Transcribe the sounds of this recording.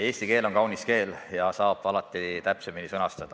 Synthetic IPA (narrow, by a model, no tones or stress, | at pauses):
e̞ːsʲt̪ike̞ːlo̞ŋkɑwniske̞ːljɑsɑːb̥ɑlɑt̪ːˑit̪æpseminisɤnɑst̪ɑd̪̥ɑ